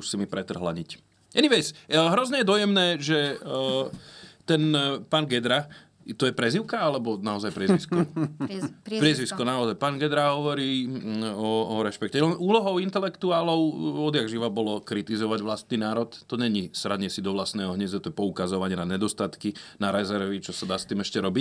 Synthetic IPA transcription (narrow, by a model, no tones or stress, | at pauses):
usimipɾɛt̪r̩ɦlaɲic | ɛniʋɛsɦɾɔzɲɛjɛd̪ɔjɛmnɛːʒɛ | t̪ɛnpaːnɡɛd̪ɾa | t̪ɔjɛpɾɛziʊkaalɛbɔnaɔzajpɾɛzʋisku | pɾiɛzʋiskɔnaɔzajpaːnɡɛd̪ɾaɦɔʋɔɾiː | ɔɔɾɛʃpɛkcɛɔnʔuːlɔɦɔʊint̪ɛlɛkt̪uaːlɔʊɔd̪jaɡʒiʋabɔlɔkɾit̪izɔʋaɟʋlast̪niːnaːɾɔt̪ːɔɲɛɲisɾaɲɪɛsid̪ɔʋlast̪nɛːɦɔɦɲɛzat̪ɔjɛpɔukazɔʋaɲɪɛnaɲɛd̪ɔst̪at̪kinaɾɛzɛɾʋit͡ʃɔsad̪aːst̪iːmɛʃcɛɾɔbic